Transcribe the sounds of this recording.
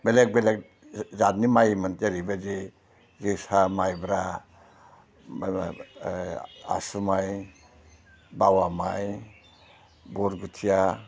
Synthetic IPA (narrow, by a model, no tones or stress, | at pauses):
bɛlɛk̚belɛk | zat̚nimajmand͡ʒaɾibed͡ʒi | zisamajbɾa | a̰sumaj | bawamaj | buɾɡutʰija